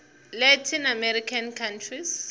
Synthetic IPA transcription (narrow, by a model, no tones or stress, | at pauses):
lɛtʰinamɛɾikʰankʰantʰris